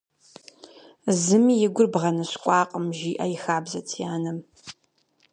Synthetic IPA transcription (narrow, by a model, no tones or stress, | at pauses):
zɨmijɪɡʷʊrbʁɐnɐɕkʷʼɑːqʼəmʒiːʔɐ̰jɪxaːbzɐtʰijaːnɐm